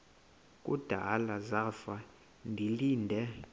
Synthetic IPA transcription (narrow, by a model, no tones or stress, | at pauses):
kʼṵd̥ʱalazafa | ndʱiliːndʱɛ